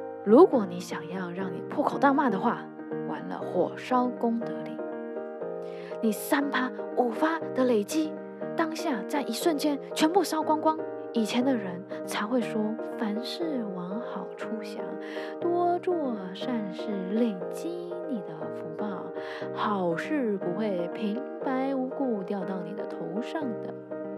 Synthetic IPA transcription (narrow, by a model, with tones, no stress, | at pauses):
ɻu˧˥kwɔ˨˩ni˧˥ɕjɑ˨˩ŋjɑ˥˧ʊɻɑ˥˩ŋnḭ˨˩pʰwɔ˥˩kʰo˨˩ʊt̪a˥˧ma˥˩d̪ə˩xwa˥˩ | wa̰˧˥nlə̰˧xwɔ̰˨˩ʂɑ˥ʊkʊ˥ŋt̪ɤ˧˥lḭ˨˩˦ | ni˨˩sa˥npʰa˥u˨˩fa˥d̪̥ə˨le˨˩ɪt͡ɕi˥ | t̪ɑ˥ŋɕja˥˧t͡sa˥˩ɪʔi˧˥ʂwə˥˩nt͡ɕjɛ˥nt͡ɕʰɥɛ˧˥npu˥˧ʂɑ˥ʊkwɑ˥ŋkwɑ˥ŋ | i˨˩t͡ɕʰjɛ˧˥nd̪ə˧ɻə˧˥nt͡sʰa˧˥ɪxwe˥˩ɪʂwɔ˥fa˧˥nʂɻ̩˥˩wɑ˧˥ŋxɑ˨˩ʊʈ͡ʂʰu˥ɕja̰˧˥ | t̪wɔ˥ʈ͡ʂwɔ˥˧ | ʂa˥˧nʂɻ̩˥˩le˨˩ɪt͡ɕi˥ni˨˩d̪ə˦fu˧˥pɑ˥˩ʊ | xɑ˨˩ʊʂɻ̩˥˩pu˨˩xwe˥˩ɪpʰi˧˥ŋ | pa˧˥ɪu˧˥ku˥˧t̪jɑ˥˧ʊt̪ɑ˥˩ʊni˨˩d̪ə̰˦t̪ʰo˧˥ʊʂɑ˥˩ŋd̪ə̰˩